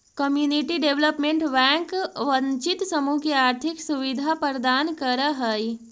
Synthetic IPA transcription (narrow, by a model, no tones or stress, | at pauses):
kəmjuːniʈiɖeʋləpmẽɳʈʋɛ̃ːŋkʋɐ̃ɲt͡ʃɪt̪sɐmukeaːɾt̪ʰɪksuʋɪd̪ʱapəɾəd̪aːnkəɾəɦəi